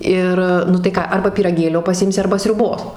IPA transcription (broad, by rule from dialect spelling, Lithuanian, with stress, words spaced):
ˈɪr nʊ tɐɪ ˈkɑː ˈɐrbɐ pʲiːrɐˈɡʲeːlʲoː pɐˈsʲɪmʲsʲɪ ˈɐrbɐ sʲrʲʊˈboːs